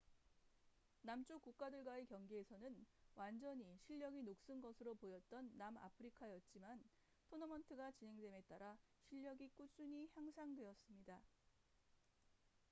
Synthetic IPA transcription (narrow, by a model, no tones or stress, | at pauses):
namt͡ɕ͈okuk̚k͈adɯɭɡwaekjʌŋɡeesʰʌnɯnwand͡ʑʌɲiɕʰiʎːʌɡinok̚s͈ɯnɡʌsʰɯɾopojʌt̚t͈ʌnːama̰pʰɯɾikʰajʌt̚t͡ɕ͈iman | tʰonʌmʌntʰɯɡat͡ɕinɦe̞ŋdwe̞me̞t͈aɾaɕʰiʎːʌɡik͈ut͡ɕ͈uɲihjaŋsʰaŋdwe̞ʌs͈ɯmɲida